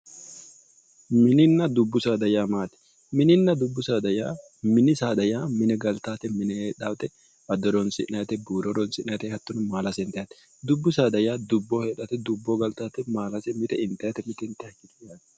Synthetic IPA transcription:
mɪnɪnːɐd̪ʊbːʊsaːd̪ɐjaːmaːt̪ɛ̥ | mɪnɪnːɐd̪ʊbːʊsaːd̪ɐjaː | mɪnɪsaːd̪ɐjaːmɪnɛɡɐlt̪aːt̪ɛmɪnɛheːᶑaːt̪ɛ | ʔɐd̪ɔɾɔnsɪ̰ʔnɐt̪ɛbuːɾɔɾɔnsɪnɐt̪ɛhɐt̪ːʊnʊmaːlɐsɛɪnt̪ɐjɐt̪ɛ̥ | d̪ʊbːʊsaːd̪ɐjaːd̪ʊbːoːheːᶑɐt̪ɛd̪ʊbːoːɡɐlt̪aːt̪ɛmaːlɐsɛmɪt̪ɛɪnt̪ɐjɐt̪ɛmɪt̪ɛɪnt̪ːɛhɐkːɪt̪ɪaːt̪

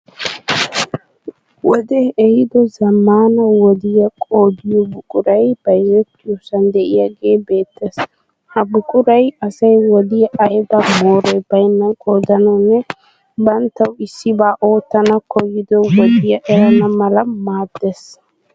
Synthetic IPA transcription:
wɔd̪ɛɛhɪd̪ɔzɐmːaːnɐwɔd̪ɪjɐkʼoːd̪ɪjɔbʊkʼʊɾɐjb̥ɐjɛt̪ːɪjusɐnd̪ɛʔɪjaɡe̞ːbe̞ːt̪ːes | hɐbʊkʼʊɾɐjɐsɐjwɔd̪ɪjɐɐjd̪ɐmoːɾɛjbɐjnːɐnkʼoːd̪ɐnɔnːɛ | bɐnt̪ːɐwɪsːɪbaːʔo̞ːt̪ːɐnɐkɔjːɪd̪ɔwɔd̪ɪjɐʔɛɾɐnɐmɐlɐmaːd̪ːes

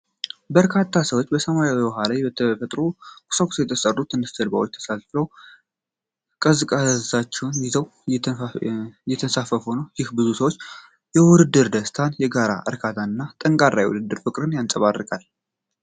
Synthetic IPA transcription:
bəɾkʰat̪ʰːasəwot͡ʃːbəsəmajawiwɔɦalajbət̪ʰːəfət̪ʼɾokʰʼʊ̥sakʼu̥sjɛt̪ʰəsərːut̪ʰɨnɨst̪ʰəlba̰wot͡ʃːt̪ʰə̥salfəw | kʼəzɨkʼazat͡ʃːɛwnjɪzəw | jɛt̪ʰənsafəfhonəwjɪhbɨzusəwot͡ʃː | jɛwʊd̪ɨd̪ːɨɾd̪əst̪ʰanjɛɡaɾa̰ʔə̰ɾkʰat̪ʰaɨnːat̪ʼəŋkʼaɾːa̰jwʊ̰d̪ɨd̪ːɨɾfɨkʼɾɨnjansʼəβarːɨkʼal

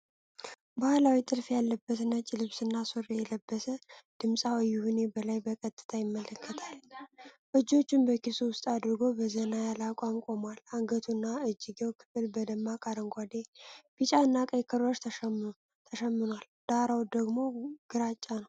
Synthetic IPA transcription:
bahlawit̪ʼɨlfjalːəbːət̪nət͡ʃʼːilɨβsɨnːasorejɛləbːəsəd̪̥ɨmsʼawəjːuhune̞bəlajbəkʼət̪ʼːɨ̥t̪ʰajɪmːələkʰːət̪ʰalbəd͡ʒːo̞t͡ʃːɪmbəkisuwʊst̪ʼad̪ɨɾɡo̞bəzənajalakʷʼamkʼo̞malaŋɡət̪ʰunːaɨd͡ʒːɪɡewkʰɨ̥fɨlbəd̪əmːakʼaɾəŋɡʷad̪ebit͡ʃʼanːakʼəjkʰəɾoʃ | t̪ʰəʃəmːɨnwald̪̥aɾawd̪əɡmo̞ɡ̥ɨɾat͡ʃʼːanəw

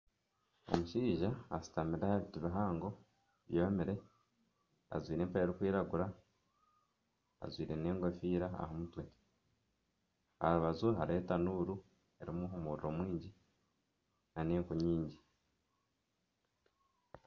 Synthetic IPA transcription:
o̞̰muʃiːʒaːsi̥tamiɾehaβitiβaɦaːŋɡo̞ | βjomiɾe̞ | a̰zwiːɾe̞ːmpajeɾikwiːɾaɡuɾa | a̰zwiːɾe̞ne̞ːŋɡwe̞fiːɾaa̰ɦomutwe̞ | ha̰ɾuβazuɦaɾetanuɾu | e̞ɾimuomuɾɾo̞mwiːɲɟi | naneːŋkuɲiːɲɟi

